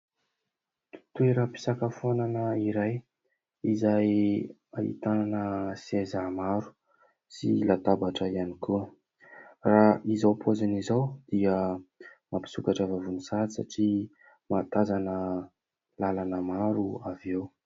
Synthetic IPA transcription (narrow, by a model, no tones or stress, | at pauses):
t̪ueɾəpi̥sakəfonanəiɾaj | izaj | a̰hḭt̪ananəsiezamaɾu̥ | silat̪abaʈ͡ʂəianikʰuə | raizawpʰozanizawd̪̥iə | mapi̥sukaʈ͡ʂəvavunisaisa̰ʈ͡ʂi | mat̪azanə | lalanəmaɾuavew